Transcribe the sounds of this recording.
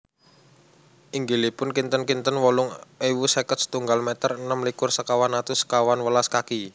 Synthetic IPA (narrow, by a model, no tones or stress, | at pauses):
ʔiŋɡilipʊnkint̪ənkint̪ənwɔlʊŋewusekət̪̚sə̥t̪uŋɡalmet̪ərənəmlikʊrsəkawanat̪usə̥kawanwəlaskaki